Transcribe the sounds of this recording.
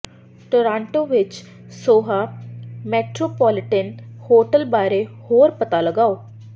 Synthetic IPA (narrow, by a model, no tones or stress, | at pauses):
ʈoːɾãːɳʈoːʋɪt͡ʃ | soːɦaːmɛːʈɾoːpɔːlɪʈɛnhoːʈəlbaːɾeːhoːɾpət̪aːləɡaːoː